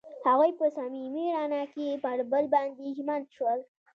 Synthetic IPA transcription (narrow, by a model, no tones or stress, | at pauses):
haɣujpəsamimiɾanakepaɽbəlband̪iɦimant̪ʃwəl